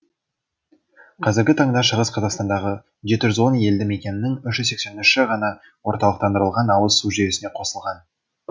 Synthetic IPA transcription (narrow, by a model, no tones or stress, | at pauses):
qʰɑzɪɾɡʲɪt̪ʰɑɴd̪ɑʃəʁəsqʰɑzɑqst̪ɑnd̪ɑʁə | ʒe̞t̪ɪʒʏzwo̞nje̞ld̪ɪme̞kʲe̞nɪnɪŋʏʃʒʏzse̞kʲse̞nɪʃʃɪʁɑnɑ | woɾt̪ɑlˠəq̚t̪ɑnd̪əɾəlˠʁɑnɑwəzsuʒe̞ɾɪsɪneqʰo̞səlˠʁɑn